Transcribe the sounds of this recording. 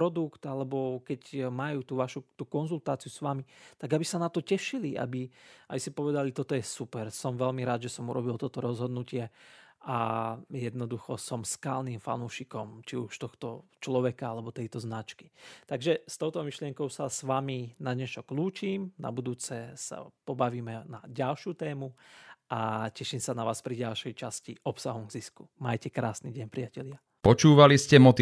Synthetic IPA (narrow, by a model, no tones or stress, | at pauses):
pɾɔd̪ukt̪alɛbɔkɛcmajuːt̪uʋaʃut̪ukɔnzult̪aːt͡sijusʋamit̪aɡabisanat̪ɔcɛʃiliʔa̰biabisipɔʋɛd̪alit̪ɔt̪ɔjɛsupɛɾsɔmʋɛlmiɾaːd̪ʒɛsɔmuɾɔbilt̪ɔt̪ɔɾɔzɦɔd̪nucɪɛʔajɛd̪nɔd̪uxɔsɔmskaːlniːmfa̰nuːʃikɔmt͡ʃiuʃt̪ɔxt̪ɔt͡ʃlɔʋɛkaalɛbɔt̪ɛjt̪ɔznat͡ʃki̥t̪aɡʒɛst̪ɔʊt̪ɔmiʃlɪɛŋkɔʊsasʋaminaɲɛt͡ʃɔkluːt͡ʃiːmna̰bud̪uːt͡sɛsa̰pɔbaʋiːmɛnaɟalʃɪut̪ɛːmuʔacɛʃiːmsanaʋaːspɾiɟalʃɛjt͡ʃascḭʔɔpsaɦɔmɡzisku̥majcɛkɾaːsniɟɛɲpɾiacɛlɪa | pɔt͡ʃuːʋaliscɛmɔt̪i